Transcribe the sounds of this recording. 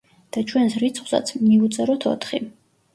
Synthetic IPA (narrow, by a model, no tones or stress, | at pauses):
d̪̥at͡ʃʰwɛnsɾit̪sʰχwsa̰t̪sʰmiut̪sʼɛɾɔt̪ʰɔ̰t̪ʰχi